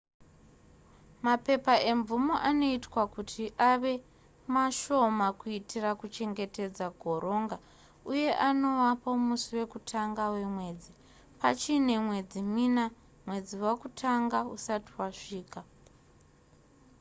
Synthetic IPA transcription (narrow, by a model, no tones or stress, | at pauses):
mape̞pae̞ɱvumoʔano̞itwakutʰiʔaʋe̞ | maʃo̞makuitʰirakut͡ʃe̞ŋɡe̞te̞d͡zaɡʱo̞ɾʔo̞ŋɡa | uje̞ʔano̞wapo̞musiwe̞kutʰaŋɡawe̞mwe̞ːd͡zi | pat͡ʃine̞mwe̞d͡zimina | mwe̞d͡ziwakutʰaŋɡausatiwaʂiːka